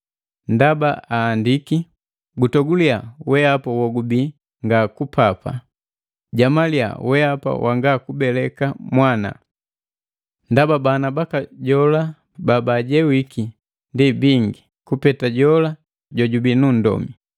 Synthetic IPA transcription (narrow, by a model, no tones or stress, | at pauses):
ndabaaːndiki | ɡutɔɡuliawɛapawɔɡubi | ŋɡakupʰapa̰ | ɟamalia̰wɛapa̰wʔa̰ŋɡakubɛlɛkamwana̰ | ndababanabakaɟɔla | babaɟɛwiki | ndibiŋɡi | kupɛtaɟɔla | ɟɔɟubinun̩dɔ̰mi